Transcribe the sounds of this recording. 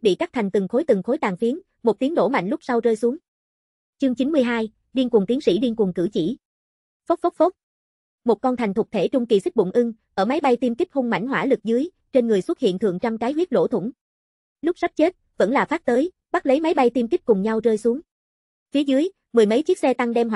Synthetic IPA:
ɓḭ˧˨t͡ɕa˦˥t̪ʰa˨˩ŋ̟t̪ɨ˨˩ŋxo˨˦jt̪ɨ˨˩ŋxo˨˦jt̪aː˨˩ŋfi˨˦ən | mo˨˩t̚t̪i˨˦ənɗo̰˧˩ma̰˧˨jŋlʊ˦˥k͡p̚sa˧wzəː˧jsu˨˦əŋ | t͡ɕɨ˧əŋt͡ɕi˨˦nmɨ˧əjɦaː˧j | ɗi˧nkʊ˨˩ŋt̪i˨˦əŋsḭ˧˥ɗi˧ənkʊ˨˩kɨ̰˧˩t͡ɕḭ˧˩˨ | fo˦˥k͡p̚fo˦˥k͡p̚fo˦˥p̚ | mo˨˩t̚kɔ˧nt̪ʰa˨˩jŋ̟t̪ʰʊ˨˩k͡p̚t̪ʰe˧˩t͡ɕʊ˧ŋ͡mki˨˩sɨ˦˥k̟̚ɓʊ̰˧˨ŋ͡mʔɨ˧ŋʔəː˧˩ma˨˦jɓa˧jt̪i˧mki˦˥k̚hʊ˧ŋ͡mma̰˧˩jŋ̟ɦwa̰ː˧˩lɨ˨˩k̚zɨ˨˦j | t͡ɕe˧nŋɨ˨˩əjswə˦˥t̚hḭ˧˨ənt̪ʰɨ̰˧˨əŋt͡ɕɔ˧mkaː˨˦jhwi˦˥ət̚lo̰˧˥˩t̪ʰʊ̰˧˩ŋ͡m | lʊ˦˥k͡p̚sa˦˥p̚t͡ɕe˦˥t̚və̰˧˥nlaː˨˩faː˦˥p̚t̪əː˨˦j | ɓa˦˥t̚lə˨˦jma˨˦jɓa˧jt̪i˧mki˦˥kʊ˨˩ŋ͡mɲa˧wzəː˧jsu˨˦əŋ | fi˨˦əzɨ˨˦əj | mɨ˨˩jmə˨˦jt͡ɕi˦˥ək̚sɛ˧t̪a˧ŋɗɛ˧mɦ

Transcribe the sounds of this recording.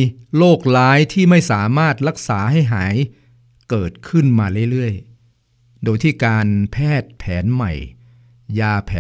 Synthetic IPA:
loː˥˩k̚laː˦˥jt̪ʰiː˥˩ma˥˩jsaː˩˦maː˥˩t̪̚ɾa˦˥k̚saː˩˦ɦa˥˩jɦaː˩˦j | kɤː˨˩t̪̚kʰɯ˥˩nmaː˧lɯ˥˩lɯ˥˩əj | doː˧jt̪ʰiː˥˩kaː˧npʰɛː˥˩t̪̚pʰɛː˩˦nma̰˨˩j | jaː˧pʰɛː˩˨

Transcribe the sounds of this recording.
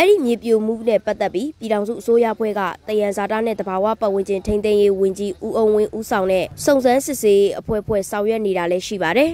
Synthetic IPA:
ʔɛ˦ɹḭ˦˨mje˨pjo˨m̥ṵ˦˨nɛ˦˨pa˦t̪ːɛ˦pːji˦pji˨ɾã˨ʊ̃zṵ˦˨ʔəso˦jä̰˦˨ʔəpʰwɛ̰˦˨ɡä̰˦˨t̪ə˨jã˨nza˨tä̰˦˨nɛ̰˦˨d̪əba˨wä̰˦˨pã̰˨wɪ̃˨ɲt͡ɕɪ̃˨ntʰẽ˦nt̪ẽ˦ɪ̃je˦wʊ̃˨ɲd͡ʑi˦ʔu˦ʔo˦˨ʊ̃wɪ̰̃˦˨ʔu˦sʰã˨ʊ̃nɛ̰˦˨sõ˦˨ʊ̃nzã˦nsɪ˦˨se˦je˦ʔəpʰwɛ̰˦˨pʰwɛ̰˦˨sã˨ʊ̃jɛ˦ʔne˨ɾa˨lɛ˦ʃḭ˦˨ba˨ɾɛ˨

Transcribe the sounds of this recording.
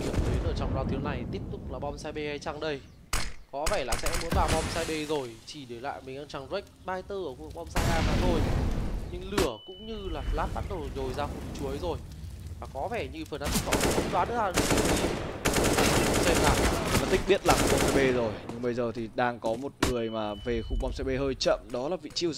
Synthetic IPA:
i˧˩əmt̪ʰe˨˦ləː˧˩t͡ɕɔ̰˧wŋ͡mzaː˨˧wt̪ʰi˨˦əwna˨˩jt̪i˦˥əp̚t̪ʊ˨˩k͡p̚laː˨˩ɓa˧wŋ͡msaː˧jɓe˧ha˧jt͡ɕa˧ŋɗə˧j | kɔ˨˦vɛ˧˩laː˨˩sɛ̰˧˥mo̰˧˥jɓaː˨˩ɓɔ˧wŋ͡msaː˧jɓe˧zo˨˩jt͡ɕi˧˩ɗi˨˧˩la̰ː˧˨jmï˨˩ŋ̟ʔaː˧ŋt͡ɕa˨˩ŋzk̟̚ɓaː˧jt̪əː˧˩ʔəː˧˩kwəŋɓa˧wŋ͡msaː˧jʔaː˧maː˨˩t̪ʰo˧jɲɨ̰˧ŋlɨ˧˩əkʊ̰˧˥ŋ͡mɲɨ˧laː˨˩laː˨˦˥t̚ɓaː˨˦n̚ɗə˨˩˨ɲo˨˩jzaː˧xu˨˧˩nt͡ɕu˨˦əjzo˨˩j | vaː˨˩kɔ˨˦vɛ˧˩ɲɨ˧fəː˨˩nʔa˧˦nt̪ʰi̥˦˥k̚hɔ̰˧˨kxʊ̰˧˦ŋ͡mɗwaː˨˦nɗɨ̰˧˥˦aː˧˩ɗ | ɨ˧˩xu˧sɛ˧mlaː˨˩˧aː˨˩t̪ï̟˦˥ɓi˦˥ət̚laː˨˩xu˧ŋ͡mɓɔ˧wŋ͡msaː˧jɓe˧zo˨˩jɲɨ˧ŋɓə˧jzəː˨˩t̪ʰi˨˩ɗaː˧ŋkɔ˨˦mo˨˩t̚ŋɨ˨˩əjmaː˨˩ve˨˩xu˧ŋ͡mɓa˧wŋ͡msaː˧jɓe˧həː˧jt͡ɕə̰˧˨mɗɔ˨˦laː˨˩vḭ˧˨t͡ɕi˧əw

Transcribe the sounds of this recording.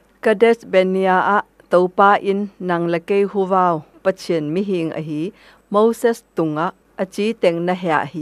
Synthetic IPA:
kədɛ˦sbe˨niaʔa˦ʔ | t̪o˦wpaː˦ʔi˦nːɐ˨ŋle˨ke˦jɦu˦vaː˧wpət͡sʰi˧ənmiɦi˧ŋʔə̰ɦi˦ | mo˦wsɛ˦st̪u˨ŋa˦ʔ | ət͡si˦t̪ɛ˨ŋnəɦɛa̰˨ʔhi˦˨

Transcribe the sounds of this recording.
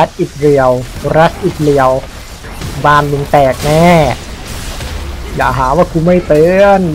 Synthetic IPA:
a˦˥t̪̚ʔiː˨˩k̚li˨˩əwɾa˦˥t̪̚ʔiː˨˩k̚li˨˩əw | baː˧nmi˧˩˦ŋt̪ɛː˨˩k̚nɛː˧˥˩ | ja̰ː˨˩ɦaː˩˦waː˧˥˩kʰuː˧ma˥˩jt̪ɤː˧n

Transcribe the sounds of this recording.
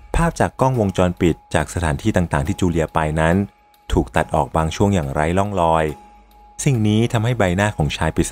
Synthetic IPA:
pʰaː˥˩p̚t͡ɕaː˨˩kːɔː˥˩ŋwo˧ŋt͡ɕɔː˧npi˨˩t̪̚t͡ɕaː˨˩k̚sa˧t̪ʰaː˩˦nt̪ʰiː˥˩t̪aː˨˩ŋt̪aː˨˩ŋt̪ʰiː˥˩t͡ɕuː˧li˧ɐpa˧jna˦˥n | t̪ʰuː˨˩k̚t̪a˨˩t̪̚ʔɔː˨˩k̚baː˧ŋt͡ɕʰu˥˩əŋjaː˨˩ŋɾa˧˥jlɔ˥˩ŋlɔː˧j | si˨˩ŋniː˦˥t̪ʰa˧mha˥˩jba˧jnaː˥˩kʰɔː˩˦ŋt͡ɕʰaː˧jpi˨˩

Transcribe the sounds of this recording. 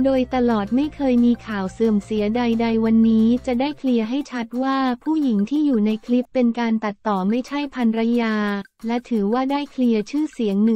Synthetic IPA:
doː˧jt̪a˧lɔː˨˩t̪̚ma˥˩jkʰɤː˧jmiː˧kʰaː˨˩wsɤː˨˩əmsi˨˩˦əda˧jda˧jwa˧nːiː˦˥t͡ɕa˨˩daː˥˩jkʰli˧əɦa˥˩jt͡ɕʰa˦˥t̪̚waː˥˩pʰuː˥˩ji˩˦ŋt̪ʰiː˥˩juː˨˩na˧jkʰli˦˥pːe˧nkaː˧nt̪a˨˩t̪ːɔː˨˩ma˥˩jt͡ɕʰa˥˩jpʰa˧nɾa˦˥jaː˧lɛ˦˥t̪ʰɯː˩˦waː˥˩daː˥˩jkʰli˧ət͡ɕʰɯː˥˩si˩˦əŋnɯ˨˩

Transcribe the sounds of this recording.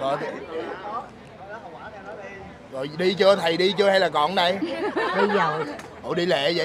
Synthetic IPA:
ɔ̰˨˩j | zo̰˨˩jɗi˧t͡ɕɨ˧ət̪ʰə˨˩jɗi˧t͡ɕɨ˧əha˧jlaː˨˩kɔ̰˧˩nna˨˩jɗə˧zɔ˨˩j | ʔo̰˧˩ɗi˧lḛ˧˨zə̰˧˨

